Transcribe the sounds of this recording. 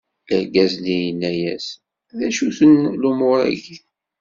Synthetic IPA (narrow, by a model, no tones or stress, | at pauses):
ləɾɡæznijənːæjæ̰s | ðæʃuθənlumʊɾæ̰ɡiθ